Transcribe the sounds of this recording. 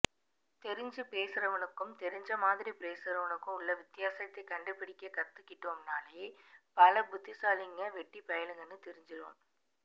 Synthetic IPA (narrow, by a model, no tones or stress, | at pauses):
t̪ɛɾɪɲd͡ʒɯpeːsɯɾɐʋɐnɯkːɯmt̪ɛɾɪɲd͡ʒɐmaːðɪɾipeːsɯɾɐʋɐnɯkːɯmʊɭːɐʋɪt̪ːɪjaːsɐt̪ːɐɪkɐɳɖɯpːɪɽɪkːɐkɐt̪ːɯkːɪʈːoːmnaːlɐjeːpɐlɐbʊt̪ːɪsaːlɪŋɡɐʋɛʈːipɐjɐlɯŋɡɐnːɯt̪ɛɾɪɲd͡ʒɪɾo̰ːm